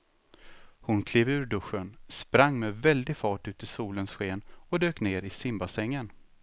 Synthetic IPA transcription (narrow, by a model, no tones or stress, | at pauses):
hʊnkʰleːvʉ̟ːɾɖɵɧːənspɾaŋːmɛvɛld̪ɪɡfɑːʈʉ̟ːt̪ɪsuːlənsɧeːnɔd̪øːkneːɾɪsɪmbasɛŋːən